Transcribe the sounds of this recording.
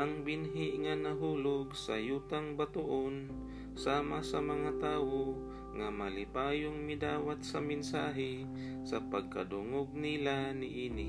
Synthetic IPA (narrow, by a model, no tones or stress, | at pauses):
ʔɐŋbɪnɦɪʔŋanɐɦuːloɡsa̰juːt̪aŋbat̪ʊʔon | saːmasɐmɐŋat̪aːwo | ŋamalɪpaːjoŋmɪd̪aːwat̪̚sɐmɪnsaːɦɪ | sapɐɡ̚kɐ̰d̪ʊŋoɡ̚nilanɪʔiːnɪ̰